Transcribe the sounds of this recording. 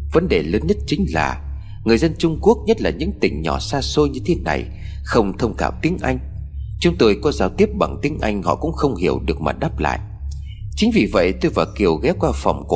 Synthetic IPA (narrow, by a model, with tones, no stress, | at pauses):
və˨˦nɗe˨˩ləː˨˦nɲə˦˥t̚t͡ɕŋ̟la̰ː˨˩ | ŋɨ˨˩əjzə˧nt͡ɕʊ˧ŋ͡mku˦˥ək̚ɲə˦˥t̚laː˨˩ɲɨ̰˧˥ŋt̪ï˧˨˩ŋ̟ɲɔ˧˩saː˧so˧jɲɨ˧t̪ʰe˨˦na̰˨˩j | xə˧wŋ͡mt̪ʰə˧wŋ͡mt̪ʰaː˧˩w̚t̪i˨˦ənʔa˧jŋ̟t͡ɕʊ˨˦ŋ͡mt̪o˧jkɔ˨˦zaː˨˦wt̪i˦˥əp̚ɓa˧˩ŋt̪i˨˦əŋʔa˧jŋ̟hɔ̰˧˨kʊ̰˧˥ŋ͡mxə˧wŋ͡mhi˧˩əwɗɨ˨˩ək̚ma̰˨˩ɗaː˦˥p̚la̰ː˧˨jʔ | t͡ɕï˨˦ŋ̟vḭ˨˩və̰˧˨jt̪o˧jvaː˨˩ki˨˩əwɣɛ˨˦˥p̚kwaː˧fə˨˩wŋ͡mk